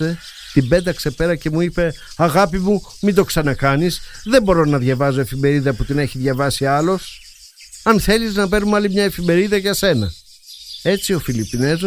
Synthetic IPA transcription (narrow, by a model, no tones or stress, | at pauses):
e̞ | t̪imbe̞d̪ɐkse̞pe̞ɾɐce̞muipe̞ɐɣɐpimumid̪o̞ksɐnɐkɐnisðe̞mbo̞ɾo̞nɐðʝɐvɐzo̞e̞fime̞ɾiðɐput̪ine̞çiðʝɐvɐsiɐlo̞s | ɐnθe̞liznɐpe̞ɾnumɐlimɲɐe̞fime̞ɾiðɐʝɐse̞nɐ | e̞t͡sio̞filipinez